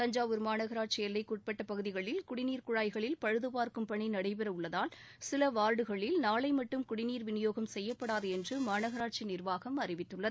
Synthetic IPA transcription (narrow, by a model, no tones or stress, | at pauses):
t̪ɐɲd͡ʒaːʋɯɾmaːnɐɣɐɾaːʈ̚t͡ʃiɛlːɐɪkːuːʈ̚pɛʈːɐpɐɣɯðɪɣɐɭɪlkʊɽɪniːɾkʊɻaːjɣɐɭɪlpɐɻɯðɯpaːɾkɯmpɐɳinɐɽɐɪpɛɾɐʊɭːɐðaːl | sɪlɐʋaːɾɽɯɣɐɭɪlnaːɭɐɪmɐʈːɯmkʊɽɪniːɾʋɪnɪjoːɣɐmsɛjːɐpːɐɽaːðɯɛndrɯmaːnɐɣɐɾaːʈ̚t͡ʃinɪrʋaːɣɐmɐrɪʋɪt̪ːɯɭːɐðɯ